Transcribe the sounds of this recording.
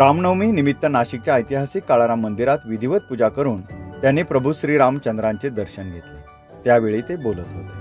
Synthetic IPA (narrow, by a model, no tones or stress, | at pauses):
ɾamnəwmiːnimit̪ːənaɕik̚t͡ɕjaəjt̪iɦasikːaɭaɾamənd̪iɾat̪ʋid̪ʱiʋət̪̚pud͡zakəɾuːnt̪janːepɾəbʱuɕɾiːɾamt͡ɕənd̪ɾãɲt͡sed̪əɾɕənɡʱet̪le | t̪jaʋeɭiːt̪ebolət̪ɦot̪